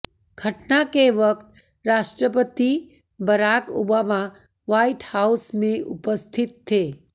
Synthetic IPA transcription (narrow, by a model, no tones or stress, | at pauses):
ɡʱɐʈnakeʋɐk̚t̪ | ɾaːʃʈɾəpət̪i | bɐɾaːko̰ːbaːma | ʋaːiʈhaːʊsmẽʔʊpəst̪ʰɪt̪ʰːeː